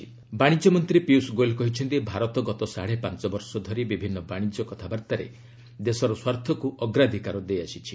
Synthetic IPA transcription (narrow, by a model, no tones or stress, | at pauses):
baɽ̃id͡ʒɔmɔnt̪ɾipiusɡolkɔɦit͡ʃʰɔnt̪ibʱaɾɔt̪ɔɡɔt̪ɔsaɽ̤epãnt͡ʃɔbɔɾsɔd̪ʱɔɾibibʱinːɔbaɽ̃id͡ʒɔkɔt̪ʰabaɾt̪aɾḛ | d̪esɔɾɔswaɾt̪ʰɔkuʔɔɡɾad̪ʱikaɾɔd̪ejasit͡ʃʰi̥